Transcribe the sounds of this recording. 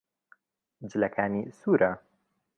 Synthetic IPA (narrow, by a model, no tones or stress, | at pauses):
d͡ʒɨlɐkʰaːniːsuːɾʔa